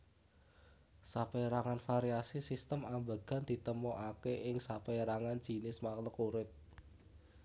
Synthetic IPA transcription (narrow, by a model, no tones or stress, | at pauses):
sapeɾaŋanfaɾiasisist̪əmambəɡ̥a̤nd̪̥i̤t̪əmɔʔakeʔɪŋsapeɾaŋand͡ʒ̥i̤nɪsmakləkuɾɪp̚